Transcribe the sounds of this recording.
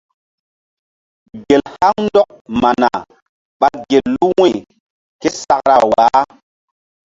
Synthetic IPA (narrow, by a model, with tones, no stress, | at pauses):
ɡe˨lha˦ŋndɔ˦k̚ma˨na̰˨ | ɓa˦ɡe˨lːu˦wi˦˨ | ke˦sa˨kɾa˨wa˨˦